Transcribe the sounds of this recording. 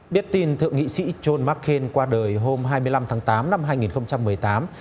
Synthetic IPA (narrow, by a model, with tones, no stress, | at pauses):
ɓi˦˥ət̚t̪i˧nt̪ʰɨ̰˧˨əŋḭ˧˨sḭ˧˥t͡ɕo˧nmaː˦˥kxe˧nkwaː˧ɗəː˨˩jɦo˧mɦaː˧jmɨ˧əjla˧mt̪ʰaː˨˦ŋt̪aː˨˦mna˧mɦaː˧jŋi˨˩nxə˧wŋ͡mt͡ɕa˧mːɨ˨˩əjt̪aː˨˦m